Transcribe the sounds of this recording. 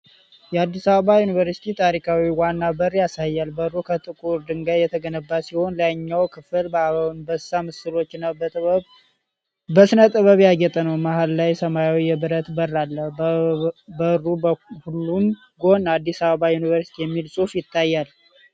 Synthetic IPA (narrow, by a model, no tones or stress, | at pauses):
jɛad̪ːisaβəβajunɨvəɾsi̥t̪ʰit̪ʰaɾikʰawiwanːabərːjasajːalbəɨrukʰət̪ʼɨkʼuɾd̪ɨŋɡajɛt̪ʰəɡənəbːasiho̞nləɲːawkʰɨfɨlbəaβawnbəsamɨsɨlo̞t͡ʃːnːaw | bəsɨnət̪ʼɨβəβjaɡɛt̪ʼənəwmahallajsəmajawijɛbɨɾət̪bərːalːəh | bərːuhulːum | ɡo̞nad̪ːisaβəβajunivəɾsit̪ʰijɛmːilsʼufjɪt̪ʰːajːal